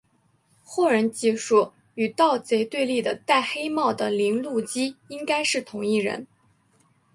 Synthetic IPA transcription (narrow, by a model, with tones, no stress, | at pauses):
xɔ˥˩ɻə˧˥nt͡ɕi˥˩ʂu˥˩ | y˨˩t̪ɑ˥˩ʊt͡se˧˥ɪt̪we˥˧ɪli˥˩d̪ə˩t̪a˥˩ɪxe˥ɪmɑ˥˩ʊd̪ə˩li˧˥ŋlu˥˩t͡ɕi˥i˥ŋka˥ɪʂɻ̩˥˩t̪ʰʊ˧˥ŋi˥˩ɻə̰˧˥n